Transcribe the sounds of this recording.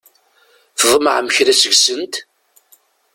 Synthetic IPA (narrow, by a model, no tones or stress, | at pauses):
fəðˤməʕməçɾæsəɡsənt̪